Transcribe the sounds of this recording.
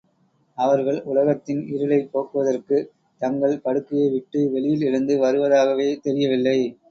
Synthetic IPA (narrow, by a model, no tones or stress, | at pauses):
ɐʋɐɾɣɐɭʊlɐɣɐt̪ːɪnɪɾɯlɐɪpːoːkɯʋɐðɐrkɯ | t̪ɐŋɡɐɭpɐɽɯkːɪjeʋɪʈːɯʋɛɭɪjɪlɪɻɯnd̪ɯʋɐɾɯʋɐðaːɣɐʋeːt̪ɛɾɪjɐʋɪlːɐɪ